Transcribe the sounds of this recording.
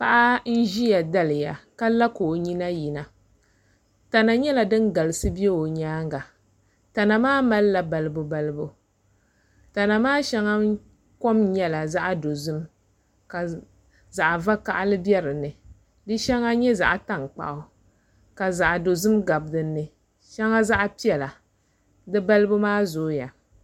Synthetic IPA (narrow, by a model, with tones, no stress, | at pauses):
pa˦ʔa˦n̩˦ʒi˦ja˨da˦lɨ˨ja˨ka˦la˦koː˨ɲi˦na˦ji˨na˨ | ta˨na˨ɲɛ˦la˨dɨ˦nɡa˨lɨ˨sɨ˦bi˦e˦o˨ɲaː˦ŋɡa˨ | ta˨na˨maː˦ma˦lla˨ba˨lɨ˦bʊ˨ba˨lɨ˦bo˨ | ta˨na˨maː˦ʃɛ˦ŋa˦ | ko˦mɲɛ˦la˨za˦ʔa˦˨do˨zɨ˦m | ka˨ | za˨ʔa˨va˦ka˦ʔa˦lɨ˦bi˦ɛ˦ɾɨ˨nɨ˨ | dɨ˦ʃa˦ŋa˦ɲɛ˦za̰˨ʔa˨ta˨ŋk͡pa̰˨ʔʊ˦ | ka˨za˨ʔa˨do˨zɨ˦mɡa˨bdɨ˨nːɨ˨ | ʃa˦ŋa˦za˦ʔa˦pi˦ɛ˨la˨ | dɨ˦ba˦lɨ˦bʊ˦maː˦zoː˨˦ja˨